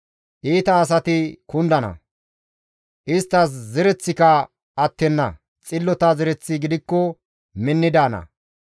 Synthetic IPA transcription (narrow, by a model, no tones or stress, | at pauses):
ʔiːt̪ɐːs̬ɐt̪ɪkʊnd̪ɐnɐ̰ | ʔɪst̪ːɐs̬zɛɾɛt͡sːɪkɐ | ɐt̪ːɛnːɐ̰ | t͡sʼɪlːɔt̪ɐzɛɾɛt͡sːɪɡɪd̪ɪkːɔ | mɪnːɪd̪aːnɐ̰